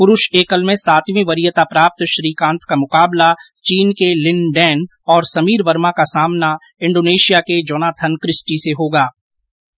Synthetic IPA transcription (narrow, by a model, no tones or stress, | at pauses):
pʊɾʊʃeːkəlmẽsaːt̪ʋĩʋɐɾijət̪apɾaːp̚t̪ʃɾiːkãːnt̪kamʊqaːbla | t͡ʃiːnkelɪnɖɛːn | ɔːɾsɐmiːɾʋəɾmakasaːmna | ɪ̃ɳɖoːneːʃijaked͡ʒɔːnaːt̪ʰənkɾɪsʈiseɦoːɡaː